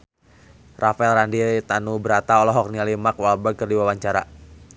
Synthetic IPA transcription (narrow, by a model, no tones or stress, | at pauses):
rʔafaɛlrandit̪anubəɾat̪aɔlɔɦɔk̚nialimakwalbakərdiwawaɲt͡ʃaɾa̰